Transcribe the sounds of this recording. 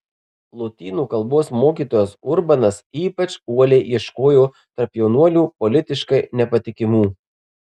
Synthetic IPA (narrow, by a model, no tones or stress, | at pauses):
lˠot̪ʲiːnuːkɐlˠboːsmoːkʲiːt̪oːjoːsʊɾbɐnɐsiːpɐt͡ʃuɔlʲɛɪʋiɛʃkoːjoː | t̪ɐɾpjɛʊnuɔlʲuːpɔlʲɪt̪ʲɪʃkɐɪnʲɛpɐt̪ʲɪkʲɪmuː